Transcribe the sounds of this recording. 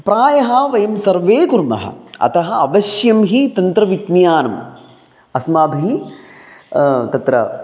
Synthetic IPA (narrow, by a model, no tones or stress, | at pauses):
pɾaːjɐɦɐʋɐjɐmsɐɾʋeːkuɾmɐ̰ɦɐ̰ɐ̰t̪ɐɦɐɐbɐʃjɐmɦit̪ɐnt̪ɾɐʋit̪njaːnɐm | ɐsmaːbʱiɦi | t̪ɐt̪ɾɐ̰